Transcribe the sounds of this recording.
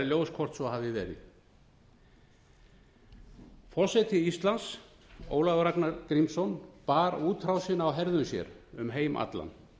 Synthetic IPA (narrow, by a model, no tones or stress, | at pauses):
ljowskʰɔr̥t̪svɔhavðɪvɛːɾɪ̰ | fɔsɛjt̪ʰɪist̪lans | o̰ːwlaɣʏɾaknaɾkɾimsɔnpaːɾuːt̪ʰɾawsɪnawɦɛɾðʏnsjɛ̰ɾʏmɦeːjmʔa̰t̪la̰n